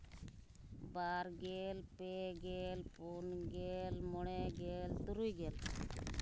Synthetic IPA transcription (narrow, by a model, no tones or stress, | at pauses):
baːɾɡelpeɡelpunɡelmɔɽeɡelt̪uɾujɡel